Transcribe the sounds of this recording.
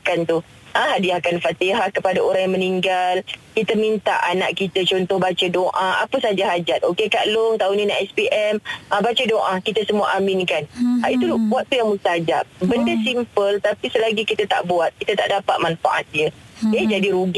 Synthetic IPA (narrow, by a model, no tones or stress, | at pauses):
kant̪u | ə̃ɦadiakanfat̪iɦahkəpadaoɾaŋjaŋməniŋɡalkit̪əmint̪a̰ʔana̰ʔkit̪ət͡ʃɔnt̪ɔhbat͡ʃədoʔaa̰pəsad͡ʒaɦad͡ʒat̪̚okekaʔlʊŋt̪aunĩnaʔɛspiʔɛməbat͡ʃədoʔakit̪asəmua̰ʔamɪnkanait̪ubuaʔ̚t̪ujaŋmust̪aad͡ʒap̚bəndəsimpəlt̪apisəlaɡikit̪at̪a̰ʔbuat̪̚kit̪at̪a̰ʔdapat̪̚manfa̰ʔat̪̚diə | əd͡ʒadiɾuɡi